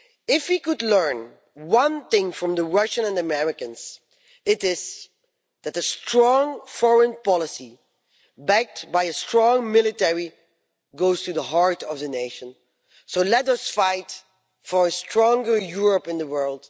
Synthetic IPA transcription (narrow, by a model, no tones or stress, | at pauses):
ɪfwikɨdˡlɜ̃˞n | wʌ̃nθɪ̃ŋfɹʌ̃mðəɹʌʃə̃nɛ̃nəmɛɹɪkɨ̃nz̥ | ɪɾɪz | ðætɨstɹ̥ɔ̃ŋfɔɹə̃npɑlˠəsi | bæk̚tbaɪɨstɹ̥ɔ̃ŋmɪlˠɨtɛɹi | ɡoʊz̥tɨðəɦɑɹtʌvðɨneɪʃə̃n | soʊlɛtʌsfaɪt | fə˞ɨstʰɹ̥ɔ̃ŋɡə˞juɹəpɨ̃nðəwɜ˞lˠd̥